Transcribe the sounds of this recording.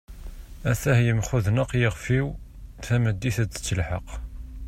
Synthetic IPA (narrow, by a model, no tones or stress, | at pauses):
æθæhjəmχʊðnəqjəʁfiw | θæməd̪ːiθæd̪ə̥t͡sːəlħɑ̰q